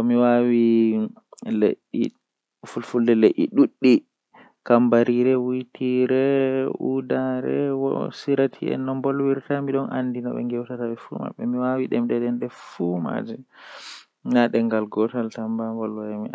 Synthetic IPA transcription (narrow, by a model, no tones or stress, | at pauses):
ɔmiwawi | leʔːi | fulfuldɛleʔːḭɗuɗːi | kambaɾiɾɛwitʰiɾɛṵdaɾɛwɔ̰siɾatʰḭɛ̰nːɔmbɔlwiɾtamiɗɔnʔa̰ndina̰ɓɛ̰ŋɡɛwtataɓɛfṵma̰ɓːɛmiwawiɗɛmɗɛɗɛnɗɛfuma̰d͡ʒɛ | naɗɛŋɡalɡɔtaltambambɔlwajami